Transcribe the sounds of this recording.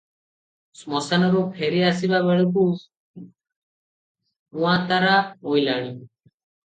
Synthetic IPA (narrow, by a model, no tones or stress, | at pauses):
smɔsanɔɾopʰeɾiasiβaβɛɭekus | ũat̪aɾaojlaɽi